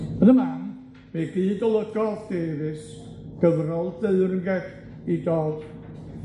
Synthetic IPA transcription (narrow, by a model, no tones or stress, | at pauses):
ənəman | miɡiːdɔlˠəɡɔðd̥eːðɨs | ɡ̥əvrɔlˠdeɨɾənɡɛk | idɔːd̥